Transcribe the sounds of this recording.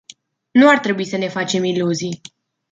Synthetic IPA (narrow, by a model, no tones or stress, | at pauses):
nuart̪ɾe̞buisəne̞fat͡ʃe̞miluzij